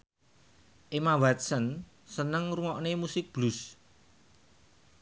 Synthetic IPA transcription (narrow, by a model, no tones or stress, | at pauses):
ʔemawat̪̚sən | sənəŋruŋɔʔnemusɪk̚b̥lus